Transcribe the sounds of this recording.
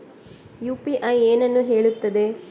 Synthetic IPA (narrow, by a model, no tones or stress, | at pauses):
juːpiʔɐjeːnɐnːuɦe̞ːɭut̪ːɐd̪e̞